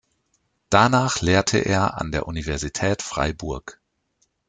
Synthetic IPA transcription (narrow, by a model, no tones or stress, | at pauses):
d̥anaːχleːɐtʰə̰ʔḛːɐʔa̰ndeːɐʔunivɛɐzitʰɛːtfʁ̥a̰ɪbʊɐk